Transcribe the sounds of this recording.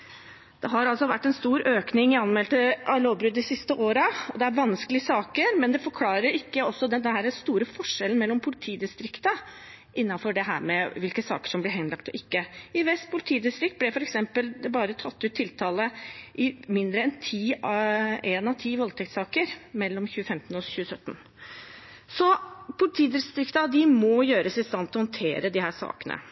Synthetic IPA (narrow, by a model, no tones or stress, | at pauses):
d̪̥ɛɦɑɾɑlsɔʋæʈːɛnst̪uːɾøːknɪŋɪɑnmɛlt̪əʔɑloːʋbɾʉd̪ːɪsɪst̪əʔoːɾəɔd̪ɛæɾʋɑnskəlɪəsɑːkəɾmɛnd̪ɛfɔɾkʰlɑːɾəɾɪkːəɔsːɔd̪ɛd̪ɛhæːɾæst̪uːɾəfɔʂːɛln̩mɛlːɔmpʰʊlɪt̪ʰiːd̪ɪst̪ɾɪkt̪ə | ʔɪnːɑnfɔɖɛɦæ̰ːɾmɛʋɪlkəsɑ̰ːkə̥ʂɔmblɪɦɛnlɑk̚t̪ɔʔɪkːəɪʋɛst̪̚pʰʊlɪt̪ʰiːd̪ɪst̪ɾɪk̚t̪̚blɛfɔɾɛksɛmpəlbɑːɾət̪ʰɑt̪ːʉːt̪ʰːɪlt̪ʰɑːləʔɪmɪnd̪ɾəɛnt̪ʰiː | ʔɛːnɑʋt̪ʰiːʋɔlt̪ʰɛk̚t̪sɑːkəɾmɛlːɔmçʉːəfɛmt̪nɔçʉːəsœt̪ːn̩ | sɔpʰʊlɪt̪ʰiːd̪ɪst̪ɾɪkt̪ɑd̪ɪmɔjøːɾəsɪst̪ɑnt̪ɔhɔnt̪ʰḛːɾəd̪ɪhæːʂɑ̰ːkənə̰